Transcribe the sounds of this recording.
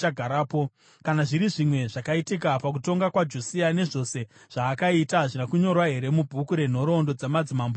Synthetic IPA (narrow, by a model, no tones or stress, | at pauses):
aɡʱaɾaːpo̞ | kanaʐiɾiʐimwe̞ʐakaitik̬apak̬uto̞ŋɡakwad͡ʒusiane̞ʐo̞se̞ʐ̥aːkaitaʐinakuɲo̞rwaɦe̞ɾe̞mubʱukuɾe̞n̤o̞ɾo̞ndo̞d͡zamad͡zimamb